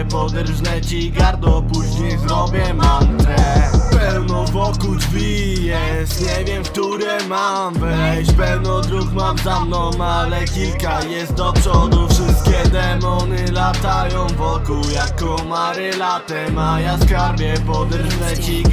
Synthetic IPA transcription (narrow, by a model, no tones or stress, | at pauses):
pɔd̪ɛɾʐnɛt͡ɕiɡaɾd̪ɔpuʑɲɛzɾɔbʲjɛmamt̪ɛpɛwnɔvɔkud͡ʐvʲi | jɛ | st̪ɲɛvʲjɛmfk̚t̪uɾɛma | mvɛɕpɛwnɔd̪ɾuxmamzamnɔwmalɛkʲilkajɛst̪̚d̪ɔpʂɔd̪ufʂɪst̪̚kʲɛd̪ɛmɔnɘlat̪ajɔ̃w̃vɔkuwjakɔmaɾɪlat̪ɛmajaskaɾbʲjɛpɔd̪ɛɾʐnɛt͡ɕiɡ